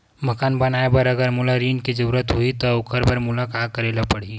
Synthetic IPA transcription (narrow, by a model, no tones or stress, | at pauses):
mɐkaːnbɐnaːebɐɾɐɡəɾmʊlaɾiːnkid͡ʒɐɾuːɾət̪ɦoit̪oʊkəɾbəɾmʊlakaːt̪̚kɐɾeːlapɐɽ̤i